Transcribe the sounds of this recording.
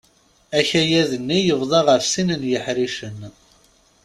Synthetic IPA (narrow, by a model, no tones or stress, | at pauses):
æçæjæðənːijəvðˤɑʁəɾsinənjəħɾiʃən